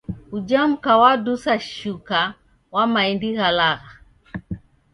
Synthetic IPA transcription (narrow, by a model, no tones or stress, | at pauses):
ud͡ʒam̩kawadusaʃuka | wamaindiɣalaɣa